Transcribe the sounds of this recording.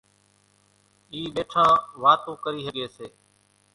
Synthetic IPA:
iːɓeːʈʰãːʋaːt̪õːkəɾiːsəɠeːseː

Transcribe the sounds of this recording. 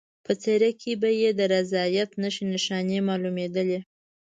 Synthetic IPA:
pət͡seɾakʰebajed̪əɾazɑjat̪nəʃinɪʃɑnemɑlumed̪əle

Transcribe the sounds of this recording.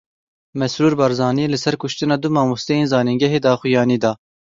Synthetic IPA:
mɛsɾuːɾbɑːɾzɑːnielɨsɛɾkʊʃt̪ɨnɑːd̪ʊmɑːmust̪ɛjeːnzɑːniŋɡɛɦeːd̪ɑːxujɑːniːd̪ɑː

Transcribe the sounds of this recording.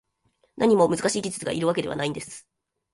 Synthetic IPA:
nʔaɲ̟imo̞mɯzɨkaɕiːkʲit͡sɨ̥t͡sɨɡaʔiɾɯ̟βaked̪e̞a̰naĩnd̪e̞sɨ̥

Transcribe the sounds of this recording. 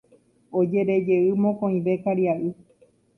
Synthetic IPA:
od͡ʒe̞ɾe̞d͡ʒe̞ɨmõkõĩʋe̞kaɾiaʔɨ

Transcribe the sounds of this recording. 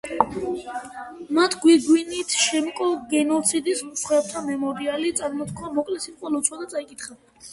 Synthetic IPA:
mat̪ʰɡwiɡwinit̪ʰʃɛmkʼɔɡɛnɔt̪sʰid̪ismsχwɛb̚t̪ʰamɛmɔɾialit̪sʼaɾmɔt̪kʰwamɔkʼlɛsimqʼwɛlɔt̪sʰwad̪at̪sʼaikʼit̪ʰχa

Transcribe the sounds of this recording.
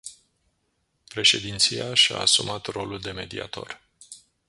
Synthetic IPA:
pɾe̞ʃe̞d̪int̪sijaʃa̰ːsumat̪ro̞luld̪e̞me̞d̪ia̰t̪o̞̰r

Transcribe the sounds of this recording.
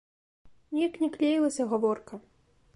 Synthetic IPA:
nʲijɐknʲɛklʲejilˠɐsʲɐɣavɔrkɐ

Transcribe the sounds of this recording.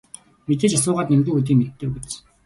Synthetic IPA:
met̪eːt͡ɕas̬ʊːʁaːt̪nemɡuːŋut̪̬iːŋmet̪ːeːwet͡ɕ

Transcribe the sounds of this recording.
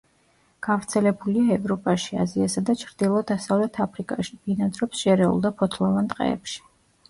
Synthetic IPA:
ɡ̥avɾt̪sʰɛlɛbuliaɛvɾɔpʼaʃia̰ziasad̪at͡ʃʰɾd̪̥ilˠɔd̪asavlɛt̪ʰapʰɾikʼaʃi̥binad̪ɾɔpsʃɛɾɛṵlˠd̪apʰɔt̪ʰlˠɔvant̪ʼqʼɛ̰ɛ̰pʃi̥

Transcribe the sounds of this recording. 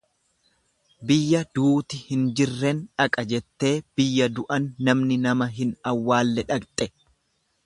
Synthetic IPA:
bɪjːɐd̪uːt̪ɪhɪnd͡ʒɪrːɛnᶑɐkʼɐd͡ʒɛt̪ːe̞ːb̥ɪjːɐd̪ʊʔɐnːɐmnɪnɐmɐɦɪnɐwːaːlːɛᶑɐkt̪ʼɛ

